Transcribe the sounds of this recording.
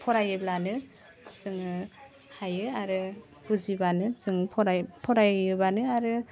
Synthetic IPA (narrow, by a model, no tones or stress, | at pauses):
pʰɔɾajɯblanɯ | zɯŋɯ | hajɯaɾɯ | b̥uzibanɯzɯŋpʰɔɾapʰɔɾajɯbanɯaɾɯ